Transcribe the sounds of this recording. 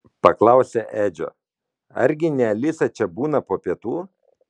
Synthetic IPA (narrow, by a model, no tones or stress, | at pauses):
pɐklˠɑˑʊsʲɛʔæːd͡ʒʲo̰ | ɐ̰ɾʲɡʲɪnʲɛlʲɪsɐt͡ʃʲɛbuːnɐpoːpʲiɛt̪uː